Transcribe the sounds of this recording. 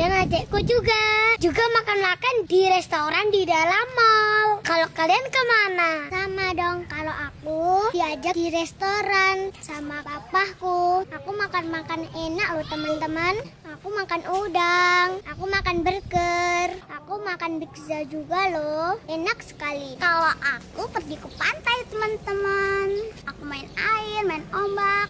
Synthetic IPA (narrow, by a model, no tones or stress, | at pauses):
aŋad͡ʒaʔkud͡ʒuɡad͡ʒuɡamakanmakandiɾɛst̪oɾandidalamalkalokaliankəmanasamadɔŋkaloʔakudiad͡ʒakdiɾɛst̪oɾansamapapahkuakumakanmakanenak̚loht̪əmənt̪əmənakumakanʔudaŋakumakanbərkərʔakumakanbikzad͡ʒuɡaloenak̚sə̥kalikaloʔakupərdikupant̪ajt̪əmənt̪əmənakumaɪnaɪrmaɪnombak